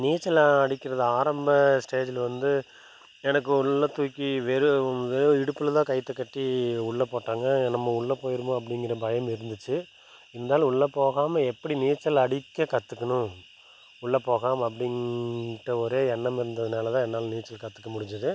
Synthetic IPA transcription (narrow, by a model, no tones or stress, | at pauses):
niːt͡ʃːɐlaɐɽɪkːɪɾɐðɯaːɾɐmbɐsʈeːd͡ʒɪlʋɐnd̪ɯ | ɛnɐk̬ːɯʊɭːɐt̪ːuːkːiʋɛɾɯʋɛɾɯɪɽɯpːɯlɐt̪ãːkɐɪt̪ːɯkːɐʈːiʊɭːɐpoːʈːaːŋɡɐnɐmːɐʊɭːɐpoːjɪɾɯmõɐp̬ːɐɽɪŋɡɪɾɐbɐjɐmɪɾɯnd̪ɯt͡ʃːɯ | ɪɐnd̪aːl̃ʊɭːɐpoːɣaːmɐɛpːɐɽiniːt͡ʃːɐlɐɽɪkːɐkɐt̪ːɯkːɐɳʊ̃ | ʊɭːɐpːoːɣaːmɐpːɐɽɪŋɾɐɔɾeːɛnːɐmɪɾɯnd̪ɐðɯnaːlɐt̪ãːɛnːaːlɐniːt͡ʃːɐlkɐt̪ːɯ̥kːɐmʊɽɪɲd͡ʒɐðɯ